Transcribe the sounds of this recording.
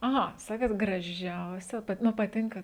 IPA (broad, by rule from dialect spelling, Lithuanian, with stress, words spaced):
ɐˈɣɐ ˈsɑːkʲeːt ɡrɐˈʒʲɛʊsʲɛ ˈpɐt ˈnʊ pɐˈtʲɪŋkɐ